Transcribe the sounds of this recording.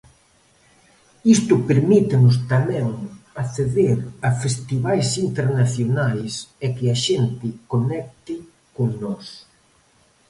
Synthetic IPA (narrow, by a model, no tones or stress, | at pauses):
ist̪ʊpeɾmit̪ɪnʊs̬t̪amɛ̃ŋaθeðeɾɐfest̪iβajsint̪eɾnaθjonajsɛkɪaʃent̪ɪkonɛk̚t̪ɪ | koŋnɔs